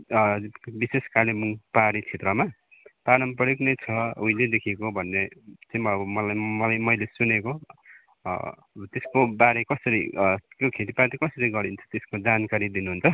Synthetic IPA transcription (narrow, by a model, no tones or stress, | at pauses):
biseskarnimuŋpaɾit͡sʰet̪rʌma | paɽʌmpʌɽiknʌjt͡sʰʌuĩled̪ekʰikobʱʌnːet͡sʌĩʌmʌlajmʌlajmʌjlesuneko | t̪eskobaɾekʌsʌɾḭk̪jokʰet̪ipat̪ikʌsʌɾiɡʌɾint͡sʰʌ̥t̪eskod͡zankaɾid̪inuɦunt͡sʰʌ